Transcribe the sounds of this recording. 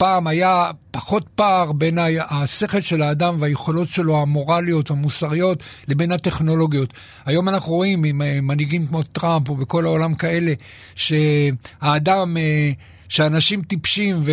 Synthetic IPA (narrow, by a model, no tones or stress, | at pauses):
paːmajapaχo̞t̚paːʁbe̞naase̞χe̞lʃe̞laːdamveajeχolo̞tʃe̞lo̞hamo̞ʁalijo̞tvamusaʁijo̞tle̞be̞nhate̞χno̞lo̞ɡjo̞t̪ | ajo̞manaχnuʁoimimemaniɡimkmo̞tʁampobeko̞laolamkae̞le̞ | ʃe̞haːdame | ʃeanaʃimt̪ipʃimve